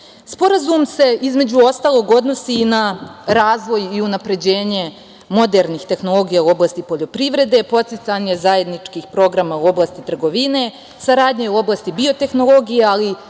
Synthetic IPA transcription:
spo̞ɾazumse̞izme̞d͡ʑuo̞st̪aːlˠo̞ɡo̞d̪no̞sinaɾaːzʋo̞jiunapɾe̞d͡ʑe̞ːɲe̞ | mo̞d̪eɾnixt̪e̞xno̞lˠo̞ɡijauo̞blaːst̪ipo̞ʎo̞pɾiʋɾe̞d̪e̞po̞t̪sit̪saɲe̞zaje̞d̪nit͡ʃkiːxpɾo̞ɡɾamauo̞blaːst̪it̪r̩ɡo̞ʋine̞ | saɾaːd̪ɲeuo̞blaːst̪ibio̞t̪e̞xno̞lˠo̞ɡijeali

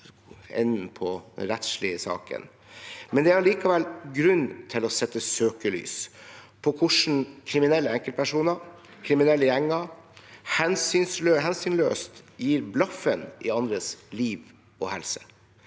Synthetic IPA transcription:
ɛ̰nːn̩pʰɔɾɛt̪ʂɭɪəsɑ̰ːkə̰n | mɛnd̪ɛæɑɾɭiːkɑʋɛlɡɾʉnːt̪ʰɪlɔsɛt̪ːəsøːkəly̰ːs | pʰɔkʰʊʂɳ̩kʰɾɪmɪnɛlːəɛŋkəl̚pʰæʂuːnəɾ | kʰɾɪmɪnɛlːəjɛŋːəɾhɛnsyːnsøɦɛnsyːnløːst̪jiːɾblɑfənʔɪɑnd̪ɾəsliːʋ | ɔhɛlsə

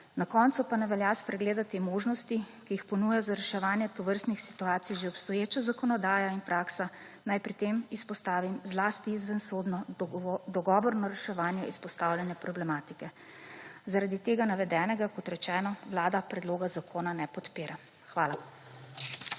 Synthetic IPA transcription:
nakɔnt̪supanɛʋɛljaspɾɛɡleːd̪at̪imoːʒnɔst̪i | kijixpɔnuːjazaɾɛʃɛʋaːnjɛt̪ɔʋəɾst̪nixsi̥t̪uaːt̪sijʒeɔpst̪ɔjeːt͡ʃazakɔnɔd̪aːjainpɾaːksa | najpɾit̪emispɔst̪aːʋimzlaːst̪iizʋənsoːd̪nɔd̪ɔɡɔːʋɔɾnɔɾɛʃɛʋaːnjɛʔispɔst̪awljanjɛpɾɔblɛmaːt̪ikɛ | zaɾad̪it̪eːɡanaʋɛd̪ɛːnɛɡakɔt̪ɾɛt͡ʃɛːnɔʋlaːd̪apɾɛd̪loːɡazakʰoːnanɛpɔt̪piːɾa | xʋaːla

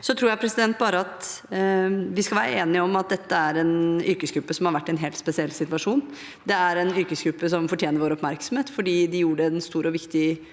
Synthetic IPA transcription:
sɔt̪ʰɾuːɾjæɪpʰɾɛsɪd̪ɛnt̪̚bɑːɾəɑt̪ | ʋɪskɑlʋæːɾəeːnɪɔmɑt̪̚d̪ɛt̪ːəæɾɛnʏɾkəsɡɾʉpːəsɔmhɑɾʋæʈːɛnɦeːlt̪spɛsɪɛlːsɪt̪ʋɑʂuːn | d̪ɛæɾɛnʏɾkəsɡ̥ɾʉpːəsɔmfɔʈʰjeːnəɾʋoːɾɔpmæɾksɔmheːt̪fɔɖiːd̪ɪjuːɖəɛnst̪uːɾɔʋɪkt̪ɪ

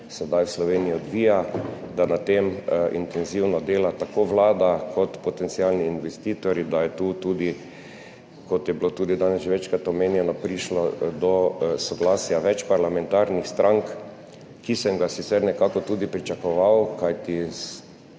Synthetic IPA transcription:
sɛd̪ajwslɔʋeniiɔd̪ʋiːjad̪anat̪emḭnt̪ɛnziwnɔd̪eːlat̪akoːʋlaːd̪akʰɔt̪pɔt̪ɛnt̪sialniːnʋɛst̪iːt̪ɔɾjid̪ajɛt̪ut̪ud̪i | kɔt̪jɛbilot̪uːd̪id̪anɛsʒʋɛt͡ʃkɾat̪ɔmeːnjɛnɔpɾiʃlɔd̪ɔsɔɡlaːsjaʋɛt͡ʃpaɾlamɛnt̪aɾnixst̪ɾʔaŋk | kisɛmɡasit̪sɛɾnɛkakɔt̪uːd̪ipɾit͡ʃakɔʋawkajt̪is

